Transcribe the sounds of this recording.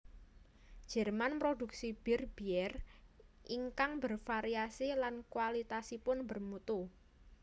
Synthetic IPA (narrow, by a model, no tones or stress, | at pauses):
d̥d͡ʒ̥ɛ̤rmanpɾoduk̚sib̥irb̥iɛrʔiŋkaŋbərfaɾiasilankwalit̪asipʊnbərmut̪u